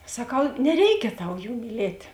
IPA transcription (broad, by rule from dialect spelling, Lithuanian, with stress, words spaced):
sɐˈkɐʊ nʲɛˈrʲɛɪkʲɛ ˈtɐʊ ˈjuː mʲiːˈlʲeːtʲ